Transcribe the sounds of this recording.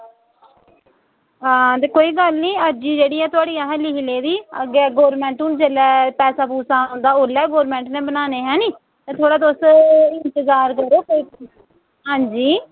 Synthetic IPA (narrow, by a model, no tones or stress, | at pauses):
ɦãːt̪eːkoːiːɡəlniːəd͡ʒiːd͡ʒeːɽiːɦɛːt̪ʊaːɽiːaːɦɛ̃ːlɪɦleːd̪iːə̰ɡeɡoːɾmɛ̃ːɳʈʊnt͡ʃəlɛːpɛːsaːpuːsãːnd̪aːʊlɛːɡoːɾmɛ̃ːɳʈnẽːbənaːneːɦɛ̃ːniː | t̪eːt̪ʰoːɽaːt̪ʊsɪnt̪ɪzaːɾkəɾoːkoːiː | ɦãːɲd͡ʒiː